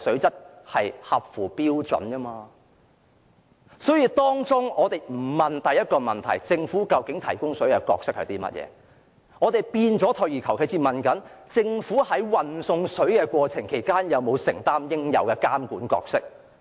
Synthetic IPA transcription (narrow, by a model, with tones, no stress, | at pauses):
sɵ˨˥ɥt͡sɐ˥t̚hɐ˨jhɐ˨p̚fuː˨˩piː˥wt͡sɵ̰˨˥nkɐː˥maː˧ | sɔː˨˥jiː˧t̪ɔː˥ŋt͡sʊ˥ŋɔː˨˧t̪e˨˩jm̩˨˩mɐ˨nt̪ɐ˨jɐ˥t̚kɔː˧mɐ˨˩nt̪ʰɐ̰˨˩jt͡sɪ˧ŋfuː˨˥kɐ˧wkɪ˨˥ŋt̪ʰɐ˨˩jkʊ˥ŋsɵ˨˥ɥkɛ˧kɔ̰ː˧k̚sɪ˥k̚hɐ̰˨˩t̪iː˥mɐ̰˥t̚jɛ̰ː˨˧˦ | ŋɔː˨˧t̪e˨˩jpiː˧nt͡sɔː˨˥t̪ʰɵ˨˧ɥjiː˨˩kʰɐ˨˩wkʰe˨˧˥t͡siː˧mɐ˨nkɐ˨˥nt͡sɪ˧ŋfuː˨˥hɐ˨˥jwɐ˨nsʊ˧ŋsɵ˨˥ɥkɛ˧kʷɔː˧t͡sʰɪ˨˩ŋkʰe˨˩jkaː˥njɐ˨˧wmo˨˧wsɪ˨˩ŋt̪aː˥mjɪ˥ŋjɐ̰˨˧wkɛ˧kaː˥mkuː˨˥nkɔ̰ː˧k̚sɪ˥k̚